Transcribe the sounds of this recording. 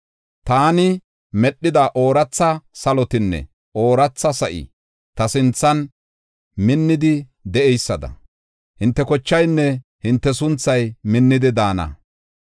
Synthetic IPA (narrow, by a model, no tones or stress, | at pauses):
t̪aːnɪ | mɛɗːɪd̪ɐʔoːɾɐt͡sːɐsɐlɔt̪ɪnːɛ̰ | oːɾɐt͡sːɐsɐʔɪ̰ | t̪ɐsɪnt͡sːɐn | mɪnːɪd̪ɪ | d̪ɛʔɛjsːɐd̪ɐ̰ | hɪnt̪ːɛkɔt͡ʃːɐjnːɛhɪnt̪ːɛs̬ʊnt͡sːɐjmɪnːɪd̪ɪd̪aːnɐ̰